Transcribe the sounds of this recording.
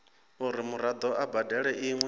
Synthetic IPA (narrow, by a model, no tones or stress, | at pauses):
uɾimuɾad̪ɔʔabadʱɛɺɛʔiŋwɛ